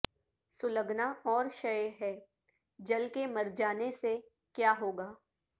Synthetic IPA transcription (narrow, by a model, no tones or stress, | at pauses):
sʊləɡnaɔːɾʃɐjɦɛː | d͡ʒɐlkemɐɾd͡ʒaːnese | kjaːɦoːɡaː